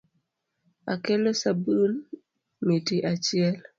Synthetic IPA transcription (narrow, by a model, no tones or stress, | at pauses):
a̰kɛlosabɨl | mitiʔat͡ʃɪɛl